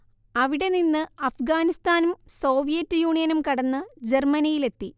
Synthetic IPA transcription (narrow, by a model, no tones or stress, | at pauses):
ɐʋiɽe̞ninːɨɐfɡaːnist̪aːnumso̞ːʋijɐtːɨjuːɳijɐnumkɐɽɐnːɨd͡ʑe̞rmɐnijile̞t̪ːi